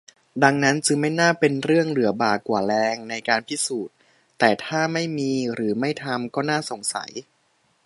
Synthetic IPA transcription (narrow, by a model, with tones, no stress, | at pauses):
da˧ŋna˦˥nt͡ɕɯ˧ŋma˥˩jnaː˥˩pe˧nɾɯ˥˩əŋlɯ˩˦ɐbaː˨˩kwaː˨˩lɛː˧ŋna˧jkaː˧npʰi˦˥˩suː˨˩t̪̚ː | ɛː˨˩t̪ʰaː˥˩ma˥˩jmiː˧ɾɯː˩˦ma˥˩jt̪ʰa˧mkɔː˥˩naː˥˩so˨˩ŋsa̰˩˦j